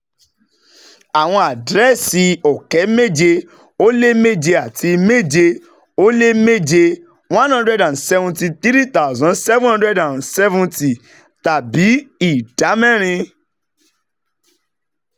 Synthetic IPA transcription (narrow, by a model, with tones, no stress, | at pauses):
a˨w̃ɔ̃˧a˨dɾɛ˦˨si˧ɔ˨kɛ˨˦me˦˨d͡ʒe˧ | o˦le˦me˦d͡ʒe˧a˨ti˧me˦˨d͡ʒe˧ | o˦le˦me˦d͡ʒe˧ | wã˦nhã˦ndɾɛ˦dã˨nsɛ˦vũ˧nti˧t̪i˦ɾi˦t̪a˦u˨zɔ̃˨˦nsɛ˦ṽhã˦ndɾɛ˦dã˨nsɛ˦vũ˦nti˨ | ta˨bi˨˦i˨da˨˦mɛ̃˦˨ɾ̃ĩ˧